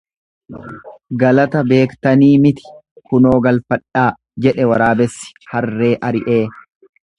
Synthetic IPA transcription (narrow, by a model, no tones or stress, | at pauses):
ɡɐlɐt̪ɐbe̞ːkt̪ɐniːmɪt̪ɪ̥kʊno̞ːɡɐlfɐᶑaː | d͡ʒɛᶑɛwɐɾaːbɛsːɪ̥hɐrrːe̞ːʔɐɾɪʔe̞ː